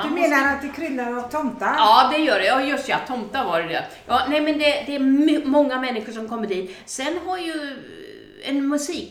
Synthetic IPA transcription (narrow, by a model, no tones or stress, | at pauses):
dɵmeːnaɾat̪̚d̪ɛkʰɾʏlːaɾɔt̪ʰɔmt̪aɾɑːd̪ɛjœːɖɛjɑːjɵst̪jɑt̪ʰɔmt̪aɾvaɾɛd̪ɛ̰ | jɑːnɛɪmɛnd̪ɛd̪ɛːɾmmɔŋːamɛnːɪɧʊʂ̬ɔmkʰɔmːədiːt̪sɛnːɦaɾjɵ | ɛnmɵsiːk